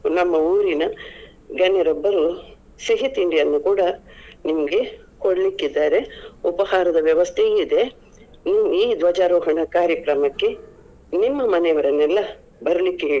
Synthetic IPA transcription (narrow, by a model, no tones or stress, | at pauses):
nɐmːɐuːɾinɐ | ɡɐnːɛɾɔbːɐɾu | siɦit̪iɳɖijɐnːukuːɽɐnimɐɡe̞ | koɽɐlikːid̪ːaːɾe̞upɐhaːɾɐd̪ɐʋjɐʋɐst̪ʰeid̪e̞ | niʋuiːd̪ʋɐd͡ʒaːɾɔːɦɐɳɐkaːɾjɐkɾɐmɐkːe̞ | nimːɐmɐnɛɐʋɐɾɐnːɛlːɐ | bɐɾɐlikːeɦeːɭi